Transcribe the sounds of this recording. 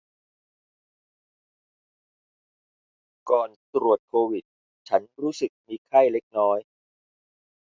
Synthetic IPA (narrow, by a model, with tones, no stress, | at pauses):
kɔː˨˩nt̪ɾu˨˩ət̪̚ʰːoː˧wi˨˩t̪̚ | t͡ɕʰa˦˥nɾuː˦˥sɯ˨˩k̚miː˧kʰa˥˩jle˦˥k̚nɔː˦˥j